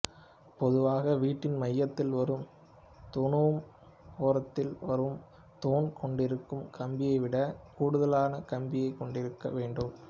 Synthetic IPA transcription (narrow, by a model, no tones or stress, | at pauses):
pɔðɯʋaːɣɐʋiːʈːɪnmɐjːɐt̪ːɪlʋɐɾɯm | t̪ɔɳɯʋɯm | oːɾɐt̪ːɪlʋɐɾɯm | t̪oːnkɔɳɖɪɾɯkːɯmkʰɐmbɪjɐɪʋɪɽɐkuːɽɯðɐlaːnɐkɐmbɪjɐɪkːɔɳɖɪɾɯkːɐ̰ʋeːɳɖɯm